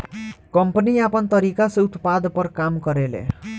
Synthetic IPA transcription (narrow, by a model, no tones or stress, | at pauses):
kʌmpʌniapʌnt̪ʌɾikaseut̪pad̪pʌɾkamkʌɾelḛ